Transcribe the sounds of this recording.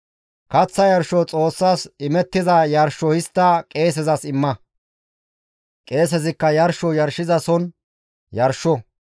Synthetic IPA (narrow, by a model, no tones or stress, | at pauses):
kɐt͡sːɐjɐɾʃɔt͡sʼo̞ːsːaːsɪmɛt̪ːɪzɐjɐɾʃːɔhɪst̪ːɐkʼe̞ːs̬ɛzɐsɪmːɐ | kʼe̞ːs̬ɛzɪkːɐjɐɾʃɔjɐɾʃɪzɐsɔn | jɐɾʃɔ